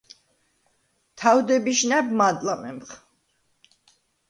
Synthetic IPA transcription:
t̪ʰawd̪ɛbiʃnɛbmad̪ʼlamɛ̰mχ

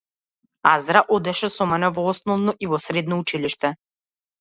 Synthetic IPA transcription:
azɾaʔod̪ɛʃɛsɔmɛnɛvɔɔsnɔvnɔʔivɔsɾɛd̪nɔut͡ʃiliʃt̪ɛ

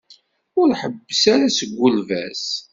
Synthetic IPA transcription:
ʊɾħəbːəsaɾasəɡʷːʊlvæs

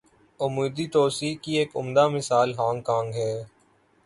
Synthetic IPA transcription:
ʊmuːd̪iʈ̪oːsikieːkʊ̰md̪amɪsaːlɦãːŋkãːŋɡɦɛː

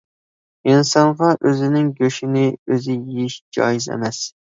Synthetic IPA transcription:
insɑnʁɑʔøzɪnɪŋɡʲøʃinɪøzɪjijiʃd͡ʒɑ̰jizḛmɛs

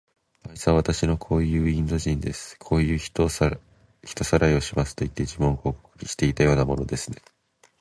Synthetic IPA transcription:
aisɨãβat̪aɕino̞kʰo̞ːjɯ̟ːĩnd̪o̞ʑĩnd̪e̞sɨ̥kʰo̞ːjɯ̟̥ːo | çi̥t̪o̞saɾaio̞ɕimasɨ̥t̪o̞it̪ːe̞d͡ʑimõ̞ŋko̞ːko̥kɯ̥ɾʲiɕi̥t̪e̞it̪ajo̞ːnamo̞no̞d̪e̞sɨne̞

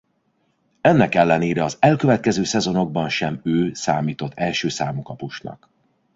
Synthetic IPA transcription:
ɛnːɛkɛlːɛneːɾɛɒzɛlkøvɛt̪̚kɛzøːsɛzo̞no̞ɡ̚bɒnʃɛmøːsaːmiːt̪o̞t̪ʰːɛlʃøːsaːmukɒpuʃnɒ̰k

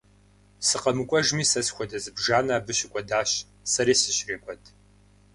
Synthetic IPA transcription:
sɨqɐmɨkʷʼɔʒmiːsɐsxʷɔdɐzɨbʒaːnaːbɨɕɪkʷʼɔdaːɕ | sɐɾeːsɨɕreːkʷʼɔtʰʼ

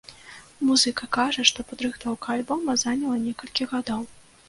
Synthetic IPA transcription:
muzɨkɐkaʐɐʂt̪ɔpad̪ɾɨxt̪vawkalʲbɔmɐzanʲɐlˠɐnʲɛkɐlʲkʲiɣad̪ɔw

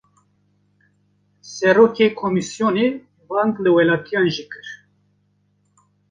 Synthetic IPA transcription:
sɛɾoːkekʰomisjone | bɑŋklɨwɛlɑːt̪ijɑːnʒikɨɾ

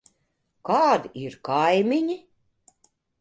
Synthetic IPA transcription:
kaːd̪iiɾkajmʲiɲʲi

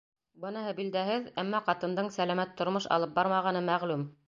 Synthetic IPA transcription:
bɤnɑɦɤbild̪æhɘðæmːɑqɑt̪ɤ̆nd̪ɤɴsælæmæt̪ʰːŏɾmoʃɑ̰lˠɤp̚bɑɾmɑʁɑnɤmæʁlʉm

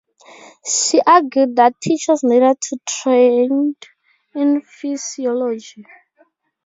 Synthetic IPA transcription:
ʃiʔaɡjudd̪atʰit͡ʃasnedatʰutʰɹẽnd | ĩnfiziɔlɔd͡ʒi

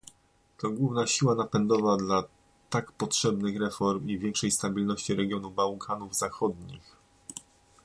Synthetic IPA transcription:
t̪ɔɡwuvnaɕiwanapɛnd̪ɔvad̪la | t̪akpɔtʂɛbnɘxɾɛfɔɾmivʲjɛŋkʂɛjst̪abʲilnɔɕt͡ɕiɾɛɡʲjɔnubawkʰanuvzaxɔd̪ɲix

